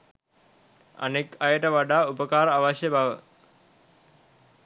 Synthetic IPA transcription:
a̰nekajəʈəʋaɖaːupəkaːɾəaʋaʃjəbaʋə

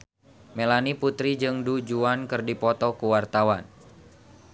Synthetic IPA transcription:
melaniput̪ɾid͡ʒɨŋdud͡ʒuankɨrdipɔt̪ɔkuwart̪awan

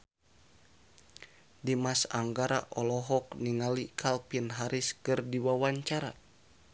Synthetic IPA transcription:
dimasa̰ŋɡaɾa̰ʔɔlɔɦɔkniŋalikʰalpinɦaɾiskɨrdiwawaɲt͡ʃaɾa

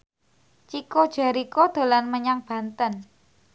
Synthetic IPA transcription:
t͡ʃikod̥ʒ̥a̤ɾikod̪̥o̤lanməɲaŋb̥a̤nt̪ən

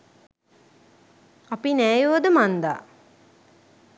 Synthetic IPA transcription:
apinæːjuʋɐd̪əmand̪a̰ː

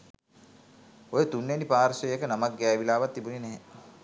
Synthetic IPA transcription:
ojet̪unːenipaːɾsəjəkənamak̚ɡɛːʋilaːʋat̪ːibunenɛɦe

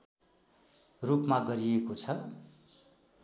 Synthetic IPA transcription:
rupmaɡʌɾiekot͡sʰʌ

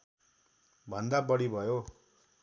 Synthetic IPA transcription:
bʱʌnd̪abʌɽibʱʌjo

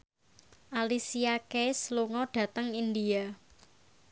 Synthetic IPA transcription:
ʔalisiakesluŋɔɖ̥a̤t̪əŋind̪ia

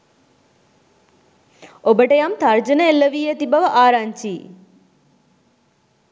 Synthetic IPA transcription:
obəʈejamt̪ʰɐɾd͡ʒənelːəʋiːet̪ibɐʋəʔaːɾaɲt͡ʃiː

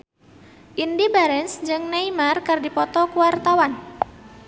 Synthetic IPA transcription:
ʔindibaɾɛnsd͡ʒɨŋneimarkɨrdipɔt̪ɔkuwart̪awan

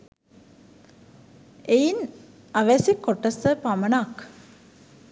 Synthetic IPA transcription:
ejin | aʋæsikːoʈːəsəpaməɳak

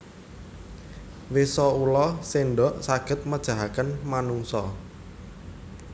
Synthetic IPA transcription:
wesɔulɔseɳɖɔʔsaɡ̥ə̤t̪̚məd̥ʒ̥ä̤ɦakənmanuŋsɔ

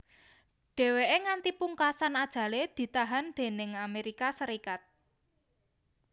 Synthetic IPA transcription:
ɖ̥e̤weʔeŋant̪ipuŋkasanad̥ʒ̥ä̤led̪̥i̤t̪aɦand̪̥e̤nɪŋameɾikasəɾikat̪̚

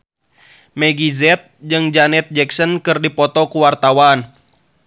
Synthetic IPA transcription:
mɛɡizɛt̪̚d͡ʒɨŋd͡ʒanɛt̪̚d͡ʒɛksɔnkɨrdipɔt̪ɔkuwart̪awan

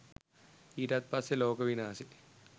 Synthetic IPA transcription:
iːʈat̪̚pasːeloːkəʋinaːsi̥

